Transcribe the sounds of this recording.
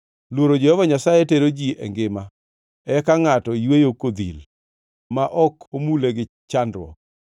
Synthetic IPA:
lwoɾod͡ʒɛhɔvaɲasajeteɾod͡ʒiɛ̰ŋɡɪma | ɛkaŋatɔjwejokod̪ḭl | maʔɔkʰomuleɡɪ | t͡ʃandɾwɔ̰k̚

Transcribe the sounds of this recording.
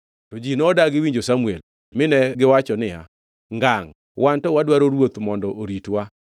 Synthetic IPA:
tod͡ʒinɔdaɡɪwiɲd͡ʒosamuel | mɪnɛɡɪwat͡ʃɔnɪja̰ | ŋɡaŋ | wʔantɔwadwaɾoɾwot̪mɔndɔʔoɾitwa

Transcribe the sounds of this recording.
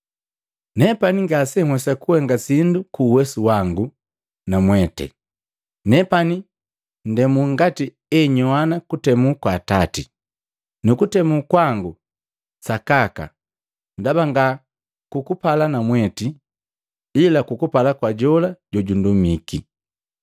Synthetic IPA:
nɛpaniŋɡasɛhwɛsakuhɛŋɡasindukuːwɛsuwaŋɡu | namwɛtɛ̰ | nɛpani | ndɛmuŋɡati | ɛɲɔanakutɛmukwaːtati | nukutɛmukwaŋɡu | sakaka̰ | ndabaŋɡa | kukupalanamwɛti | ilakukupalakwaɟɔlaɟɔɟundumiki

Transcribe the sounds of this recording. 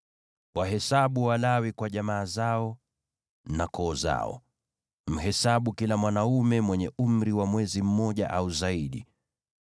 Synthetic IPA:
waɦɛsaɓuwalawikwaʄamaːzaɔ | nakɔːza̰ɔ̰ | m̩ɦɛsaɓukilamwanaumɛmwɛɲɛum̩ɾiwamwɛzim̩mɔʄa̰ʔauzaiɗḭ

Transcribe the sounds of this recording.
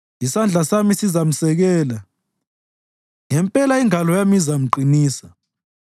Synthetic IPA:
isand͡ɮʱasamisizam̩sɛɣɛːla | ŋɛmpʼɛlaiŋalɔjamizam̩ǃiniːsa

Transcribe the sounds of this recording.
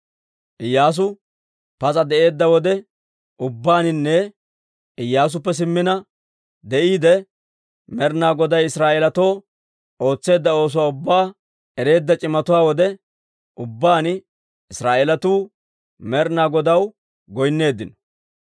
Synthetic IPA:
ʔɪjːaːs̬ʊ | pɐt͡sʼɐd̪ɛʔe̞ːd̪ːɐwɔd̪ɛ | ʔʊbːaːnɪnːɛ | ɪjːaːs̬ʊpːɛs̬ɪmːɪnɐ | d̪ɛʔiːd̪ɛ | mɛɾnaːɡɔd̪ɐjɪsɾaːeːlɐt̪o̞ː | o̞ːt͡sːe̞ːd̪ːɐo̞ːs̬ʊwaːʊbːaː | ɛɾe̞ːd̪ːɐt͡ʃʼɪmːɐt̪ʊwaːwɔd̪ɛ | ʔʊbːaːn | ɪsɾaːʔeːlɐt̪uː | mɛɾnaːɡɔd̪ɐw | ɡɔjnːe̞ːd̪ːɪnɔ̥

